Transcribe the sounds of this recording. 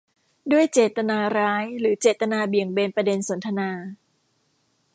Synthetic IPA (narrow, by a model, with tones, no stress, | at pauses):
du˥˩əjt͡ɕeː˨˩t̪ːa˧naː˧ɾaː˦˥jɾɯː˩˦t͡ɕeː˨˩t̪ːa˧naː˧bi˨˩əŋbeː˧npɾa˧de˧nso˩˦nt̪ʰa˧naː˧